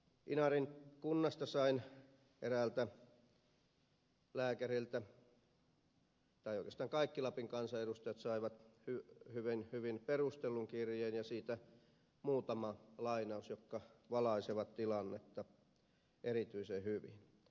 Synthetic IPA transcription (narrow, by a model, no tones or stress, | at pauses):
ʔinɑrinkunːɑst̪ɑsɑin | erælt̪æ | læːkærilt̪æ | t̪ɑioˑikest̪ɑːŋkɑikːilɑpiŋkɑnsɑeɾust̪ɑjɑt̪sɑiʋɑt̪hyhyʋinhyʋinperust̪elːuŋkirjeːnjɑsiːt̪æ | muːt̪ɑmɑlɑinɑusjokːɑʋɑlɑiseʋɑt̪t̪ilɑnːet̪ːɑ | ʔerit̪yisehyʋin